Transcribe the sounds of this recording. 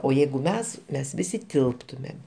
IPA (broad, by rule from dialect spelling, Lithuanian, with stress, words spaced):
oː ˈjɛɪɡʊ ˈmʲɛs ˈmʲɛs ˈʋʲɪsʲɪ ˈtʲɪlˠptʊmʲeːm